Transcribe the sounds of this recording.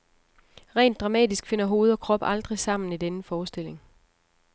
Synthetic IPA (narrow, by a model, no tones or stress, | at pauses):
ʁɛ̰ːnd̥ʁɑ̈mɛ̰ːd̥isɡ̥fe̝n̰ɐɦo̝ːð̞̩ˠɒ̽kʰʁɒ̽b̥ɑ̈ld̥ʁisɑ̈m̰n̩id̥enəfɒːsd̥e̝le̝ŋ